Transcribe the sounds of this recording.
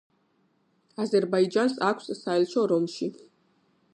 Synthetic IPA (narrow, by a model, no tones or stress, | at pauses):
azɛɾbaid͡ʒansakʷʰssaɛlʃʰɔɾɔmʃi